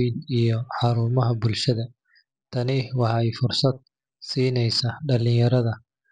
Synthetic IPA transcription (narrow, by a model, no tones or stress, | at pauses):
jnijɔħɑɾuːmɐɦɐbʊlʃɐðɐ | t̪ʰɐnɪwɑħɑɛjfʊrsɐd̪̚ | siːnɛjsaɖɐlɪjɐɾɐðɐ